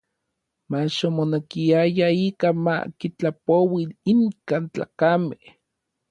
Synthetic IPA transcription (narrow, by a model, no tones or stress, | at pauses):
maʃomonekiajaiːkama̰kit͡ɬapowiiŋkaːnt͡ɬa̰ːkameh